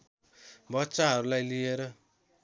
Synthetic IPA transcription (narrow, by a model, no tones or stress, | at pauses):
bʌtːsaɦʌɾulajlijeɾʌ